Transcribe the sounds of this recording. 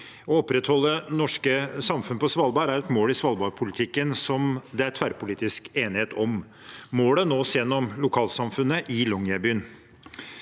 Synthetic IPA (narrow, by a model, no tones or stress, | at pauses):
ɔɔpːɾɛt̪hɔlːənɔʂkəsɑmfʉnəpʰɔsʋɑlbɑːɾæɾɛt̪moːlɪsʋɑlbɑːɾpʰʊlɪt̪ʰɪkːənsɔmd̪ɛæɾt̪ʰʋæɾpʊliːt̪ɪskeːnɪheːt̪ʰɔmː | oːlənoːsjɛnːɔmlʊkʰɑːlsɑmfʉnəʔɪlɔŋjæbyːən